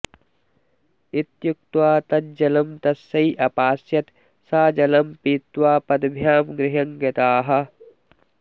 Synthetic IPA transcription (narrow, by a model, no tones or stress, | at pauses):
it̪juk̚t̪waːt̪ɐt̪̚d͡ʒɐlɐmt̪ɐsɐiʔɐpaːsjɐt̪ | saːd͡ʒɐlɐmpit̪waːpɐd̪bʱjaːmɡɾɪɦɐŋɡɐt̪aːɦɐ̆